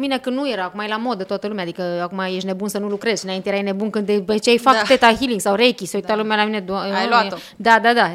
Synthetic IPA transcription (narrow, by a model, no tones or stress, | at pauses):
mine̞kɨnnuje̞ɾaːkumajelamo̞d̪ət̪oat̪əlumead̪ikəakumajeʃne̞bunsənulukɾe̞zɨnainejeɾajne̞bunkɨnd̪pet͡ʃejfak̪et̪aɦiliŋɡsawɾekʲiseujt̪alumealamine̞d̪aajloao | d̪ad̪ad̪a